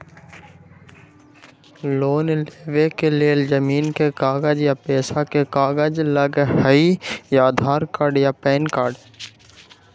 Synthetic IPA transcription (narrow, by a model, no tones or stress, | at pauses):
loːnleːʋekeleld͡ʒəmiːnkekaːɡəd͡ʒjapeːsakekaːɡəd͡ʒləɡhəijaːd̪ʱaːɾkaːɖjapɛːnkaːɖ